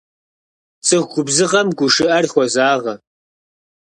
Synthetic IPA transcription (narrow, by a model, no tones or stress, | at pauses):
t͡sʼɨʁɡʷʊbzɨʁɐmɡʷʊʂɨʔɐrxʷɔzaːʁɐ